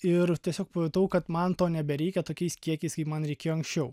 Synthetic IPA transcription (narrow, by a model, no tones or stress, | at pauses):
ɪɾt̪ʲiɛsʲoːk̚pɐot̪ɐʊkɐt̪mɐnt̪oːnʲɛbʲɛɾʲɛɪkʲɛt̪oːkʲɛɪskʲiɛkʲɛɪskɐɪpmɐnɾʲɛɪkʲeːjoɔːɐŋksʲt͡ʃʲɛʊ